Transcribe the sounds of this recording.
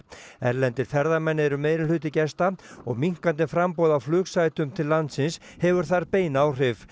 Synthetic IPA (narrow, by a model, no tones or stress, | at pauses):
ɛɾlɛnt̪ɪɾ̥θɛɾðamɛnːɪɛɾʏmeːjɾɪlʏːt̪ɪcɛst̪aɔɣmiŋ̥kant̪ɪfɾampɔwðawflʏːksajt̪ʏmt̪ʰɪlːant̪sɪns | hɛvʏɾ̥θaɾpeːjnawr̥ɪv